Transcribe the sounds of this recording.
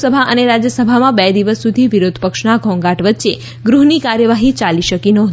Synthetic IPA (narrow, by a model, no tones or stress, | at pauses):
səbʱaʔəneɾad͡ʒjəsəbʱamãbɛd̪iʋəsːud̪ʱiʋiɾod̪ʱpəkʃnaɡʱɔ̃ŋɡaʈʋətːʃe | ɡɾuɦnikaɾjəʋaɦit͡ʃaliʃəkinəɦ